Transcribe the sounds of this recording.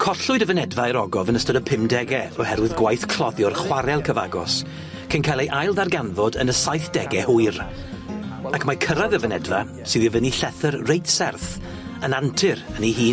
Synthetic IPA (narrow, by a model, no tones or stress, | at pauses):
kʰɔɬʊɨdəvənɛdvaəɾɔɡɔvənəstɔdəpʰɪmdɛɡɛɔhɛɾwɪðɡwajθkʰl̥ɔðjɔrχwaɾɛlˠkʰəvaɡɔ̰s | kʰənkʰalˠejʔajlˠðarɡanvɔdə̰nəsajθd̥ɛɡɛhʊɨɾ | akʰmakʰəɾaðəvənɛdva̰ | sɨðivəniɬɛθərrejtsɛrθ | ənantʰɨɾəniɦiː